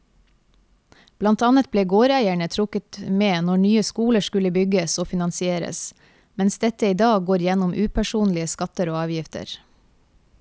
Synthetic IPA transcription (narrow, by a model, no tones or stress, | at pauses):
b̥lɑnt̪ɑnət̪̚bleːɡoːɾæɪæɳət̪ʰɾʊkət̪meːnɔɳyːəskuːləʃkʉləbʏɡəsoːfɪnɑnsɪeːɾə̰s | mɛnsd̪ɛt̪əiːd̪ɑːɡɡoːɾjɛnʊmʔʉːpʰæʃuːnlɪəskɑt̪əɾoːɑːʋjɪft̪ə̰ɾ